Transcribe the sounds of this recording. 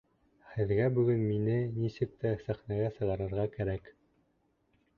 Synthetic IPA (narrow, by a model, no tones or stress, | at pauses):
hɘ̆ðɡæbɵ̆ɡɘnminɘnisɘ̆k̚t̪æsæχnæɡæsɤ̆ʁɑɾɤ̆ɾʁɑkæɾæk